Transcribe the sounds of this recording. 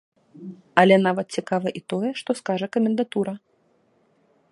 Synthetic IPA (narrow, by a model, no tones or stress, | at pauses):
ɐlʲɛnavɐt̪̚t͡sʲikavɐʔit̪ɔjɛʂt̪ɔskaʐɐkɐmʲɛnd̪at̪uɾɐ